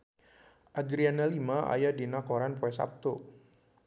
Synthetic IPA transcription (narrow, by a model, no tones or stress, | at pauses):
ʔadɾianalimaa̰jadinakɔɾanpoɛsa̰p̚t̪o